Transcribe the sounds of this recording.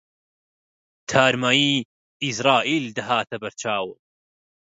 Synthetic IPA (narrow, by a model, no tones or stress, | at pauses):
t̪ʰaːɾmaːiː | isɾaːʔiːld̪ɐɦaːt̪ʰɐbɐɾt͡ʃʰaːwɨ